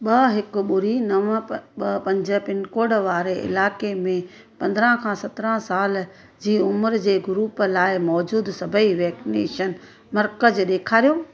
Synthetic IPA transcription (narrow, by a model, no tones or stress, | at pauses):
ɓɐɦɪkʊɓʊɾinɐʋɓɐpɐ̃ɲd͡ʑəpɪnkoːɽʋaːɾeʔɪ̰laːkemẽ | pɐ̃nd̪ɾə̃kʰãːsɐt̪ɾə̃saːl | d͡ʑiːʊməɾd͡ʑeːɡʊɾuːplaːɪmɔːd͡ʑuːd̪sɐbʱəiʋɛːksɪnḛːʃən | mɐɾkəd͡ʑɗeːkʰaːɾijoː